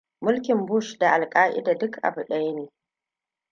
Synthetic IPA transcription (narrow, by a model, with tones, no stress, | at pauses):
mʊ˦lkʲɪ˨mbʊ˦˨ʃda˨ʔa˨lkʼaː˦ʔɪ̰˦daː˨dʊ˦kʔa̰˨bʊ˨ɗa˦jneː˨